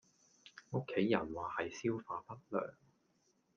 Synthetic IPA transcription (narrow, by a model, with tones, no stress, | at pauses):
ŋo˥kʰːe˨˥jːɐ˨˩nwaː˨˩hɐ˨jsiː˥wfaː˧pɐ˥t̚lœ̰ː˨˩ŋ